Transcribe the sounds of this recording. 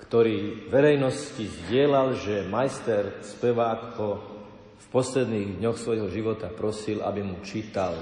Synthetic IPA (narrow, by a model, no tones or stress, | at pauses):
kt̪ɔɾiːʋɛɾɛjnɔscizɟɪɛlalʒɛmajst̪ɛɾspɛʋaːkɔ | fpɔslɛd̪niːɣd̪ɲɔxsʋɔjɦɔʒiʋɔt̪apɾɔsilʔa̰bimut͡ʃiːt̪al